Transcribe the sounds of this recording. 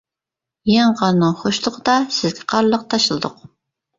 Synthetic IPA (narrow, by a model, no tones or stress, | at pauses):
jɛŋʁɑnnɨŋχoʃlˠʊqəd̪ɑsɪzɡʲʰɛ̥qʰɑɾlˠəq̚t̪ʰɑʃɨlˠɨd̪ʊ̰q̚